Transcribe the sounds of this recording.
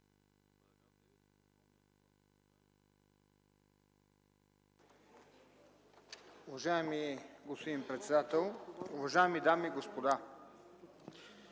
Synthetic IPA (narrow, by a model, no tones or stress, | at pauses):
ʊvaʒaɛmiɡospod̪inpɾɛt̪sɛd̪at̪ɛlˠʊvɐʒaɛmid̪amiɡospod̪a